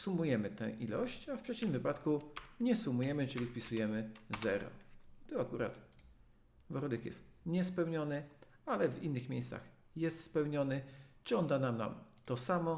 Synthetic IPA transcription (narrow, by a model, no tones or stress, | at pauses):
sumujɛmɘt̪ɛ̰̃ʔḭlɔ̰ɕt͡ɕafpʂɛt͡ɕimvɘpat̪kuɲɛsumujɛmɘt͡ʂɘlʲifpʲisujɛmɘzɛɾɔ̰it̪ɔakuɾa̰t̪ | vɔɾd̪ɛkjɛ̰st̪ɲɛspɛwɲɔnɘ | alɛvinːɘxmʲejssa̰x | jɛst̪spɛwɲɔnɘt͡ʂɔnd̪anamna̰mt̪ɔsamɔ